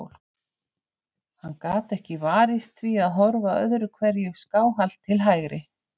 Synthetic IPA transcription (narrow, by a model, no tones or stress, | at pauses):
wl̥k | hanːkaːt̪ɛhcɪvaːɾɪst̪θviaðɦɔɾvaœ̰ðɾʏkʰvɛɾjʏɣskaːwɦal̥t̪ʰːɪlɦajɣɾɪ